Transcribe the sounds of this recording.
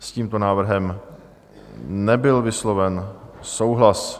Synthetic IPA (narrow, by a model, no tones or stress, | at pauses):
sciːmt̪o̞naːvr̩ɦɛm | nɛbɪlvɪslo̞vɛnso̞wɦlas